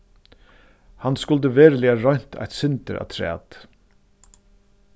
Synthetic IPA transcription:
hanskʊlt̪əveːɾlɛaɾɔɥn̥t̪ʰa̰jt̪sɪnt̪əɾʔa̰ːt̪ʰɾæ̰ːt̪

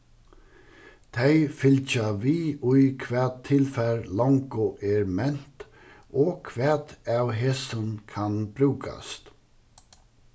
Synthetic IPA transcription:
t̪ʰɛjfɪlt͡ʃaʋiːʊjkʰʋɛːd̪̚t̪ʰɪlfæɾlɔŋkʊʔɛɾmɛn̥t̪ | ɔkʰʋɛːt̪awɦeːsənkʰanb̥ɾʉːka̰st̪

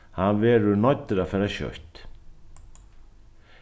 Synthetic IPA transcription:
hanvɛːɾʏnɔt̪ːɪɾafɛːɾaɕœ̰ht̪

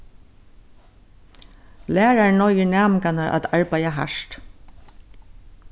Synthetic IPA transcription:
læːɹaɹnɔjɪnæːmɪkanaɹʔa̰t̪aɹpajaɦa̰ʂt̪

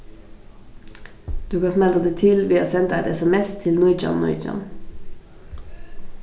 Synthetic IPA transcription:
d̪̥ʉːkʰɑfmɛld̪əʁd̪iːt̪ʰɪlʋiːɑːsɛnt̪æɪt̪ɛsɛmɛst̪ʰɪlnɔʏd͡ʒɑ̰nnːɔ̰ʏd͡ʒɑ̰n

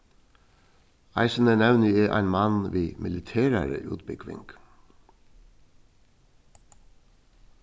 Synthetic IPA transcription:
ɑ̰ɪsənənæwnɪɛʔæ̰ɪnmɑnʋiːmʔɪlɪt̪ʰeːɾa̰ɾə̰ʔʉ̰ːt̪̚bɪkʋɪ̰ŋk

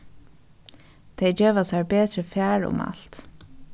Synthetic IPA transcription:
t̪ʰejd͡ʒeːʋasaɹbeːt̪ɾəfæːɹʊ̰ma̰lt̪

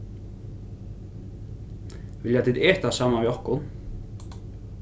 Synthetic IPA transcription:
vɪljat̪ʰit̪ɛ̥ːt̪asaːmaviɔhkʊn

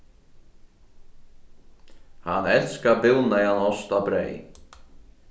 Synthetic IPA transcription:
hanːɛnskapɪlnajhanɔst̪abɾḛːj

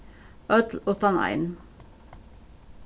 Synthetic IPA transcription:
ʔœt̪l̩ɔt̪ɑnɑ̰ɪn

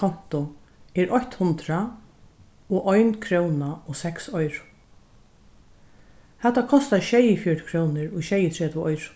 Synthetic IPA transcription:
ɔn̥t̪ʊ | ɛɹʔɔçt̪hʊnt̪ɾa | ɔʔɔjnkʰɾownaɔsɛksɔjɾʊ̥ | hɛt̪ːakʰɔst̪aʃɛjɪfjɔɹt̪kʰɾoːwnɪɹʊʃɛjɪt̪ʰɾɛːt̪ɪɔjɾʊ̥

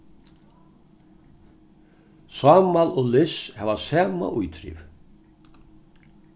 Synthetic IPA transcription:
saːmalɔlɪshɛvasaːma̰ʔujt̪ʰɾḭv

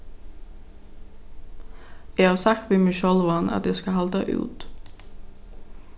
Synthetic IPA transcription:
jæɪhɑːɾsɑk̚t̪ʋiːmɪʃɔlʋɑnʔɑ̰t̪jæskɑhɑld̪ɑ̰ʔʉ̰ːt̪

